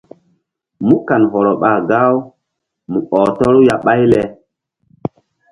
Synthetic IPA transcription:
mu˦ka˨nɦɔ˨ɾɔ˨ɓa˨ɡa˦w | mu˨ʔɔ˨tɔ˦ɾu˦ja˨ɓa˦jlɛ˨

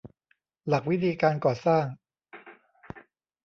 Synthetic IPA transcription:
la˨˩k̚wi˦˥t̪ʰiː˧kaː˧nkɔː˨˩saː˥˩ŋ

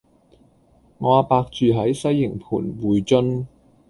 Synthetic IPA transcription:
ŋɔː˨˧paː˧k̚t͡ʃyː˨ɦɐ˨˥jsɐ˥jːɪ˨˩ŋpʰuː˨˩nwuː˨˩jt͡ʃɵ˥n

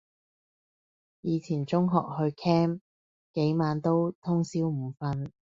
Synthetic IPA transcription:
jiː˨˧t͡sʰiː˨˩nt͡sʊ˥ŋɦɔ̰ː˨k̚ɦɵ˧ɥkʰɛː˥m | ke˨˥jmaː˨˧nt̪o˥wt̪ʰʊ˥ŋsiː˥wm̩˨˩fɐ˧n

